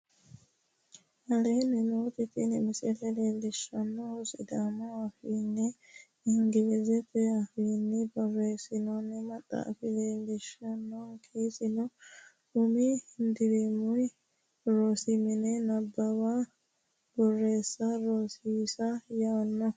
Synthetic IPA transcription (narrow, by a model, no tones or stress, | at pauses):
ʔɐleːnɛnoːt̪ɪt̪ɪnɛmɪsɛlɛleːlːɪʃːɐnːɔhɔsɪd̪aːmɔɐfinːɛ | ɪŋɡɪlɛzɛfɛɐfiːnːɛbɔrːe̞ːsɪnɔnːɛmɐt̪ʼːa̰ːfɪleːlːɪʃɐnːɔkʰeːsɪnɔ | ʊmihɪnd̪ɪɾɛmʊj | ɾoːsɪmɪnɛnɐbːɐba | b̥ɔrːe̞ːsːɐɾoːsiːsɐjaːnːɔ